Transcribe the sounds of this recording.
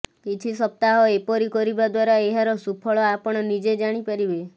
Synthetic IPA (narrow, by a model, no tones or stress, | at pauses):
kit͡ʃʰisɔp̚t̪aɦɔepɔɾikɔɾibad̪waɾaeɦaɾɔsupʰɔɭɔapɔɽ̃ɔnid͡ʒed͡ʒaɽ̃ipaɾibe